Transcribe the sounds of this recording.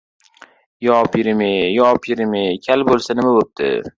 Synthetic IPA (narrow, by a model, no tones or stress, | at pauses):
jɒpjɪɾɪmejɒpʰjɪɾɪmekʲʰalbolˠsanɪmabop̚d̪̥ɪ̰